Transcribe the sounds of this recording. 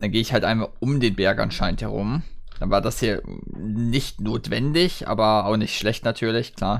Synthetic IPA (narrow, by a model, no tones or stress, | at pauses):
d̥anɡeːɪçhaltʔa̰ɪnmaʔʊmdeːnbɛɐkʔa̰nʃaɪnthɛʁʊ̰md̥anvaːɐdashiːɐnɪçtnoːtv̥ɛ̰ndɪçʔa̰ːbɐaʊxnɪçtʃlɛçtnatʰyːɐlɪçkl̥aːɐ